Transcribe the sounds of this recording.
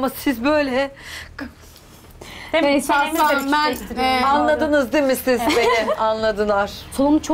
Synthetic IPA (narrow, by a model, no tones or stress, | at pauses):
masizbø̞jlʲɛ | saambænanlˠad̪ɯnɯzd̪imisizbenɪanlˠad̪ɯnˠaɾ̥soumt͡ʃʰo